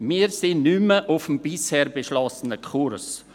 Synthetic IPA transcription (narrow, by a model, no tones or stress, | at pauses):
miːɾsɪnnyməʔʊfəm̩bɪshɛːɾbeʃlɔsənəkʰurs